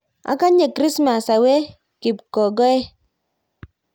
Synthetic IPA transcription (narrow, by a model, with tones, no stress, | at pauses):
a̰˨˦ka˦ɲe˨kɾi˦sma˨sa˨we˦ | ki˨pkɔ˨ɡɔ˦ɛ˦